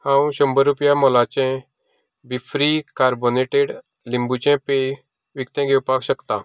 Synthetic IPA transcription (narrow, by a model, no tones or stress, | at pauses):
hãwɕəmbəɾupjamɔlat͡ɕɛ̃ | bifɾikaɾboneʈeɽ | limbut͡ɕɛ̃pe | ʋikt̪ɛ̃ɡʱewpakɕəkt̪a